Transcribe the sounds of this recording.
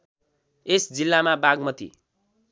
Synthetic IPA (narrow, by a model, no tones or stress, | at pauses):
esd͡zilːamabaɡmʌt̪ḭ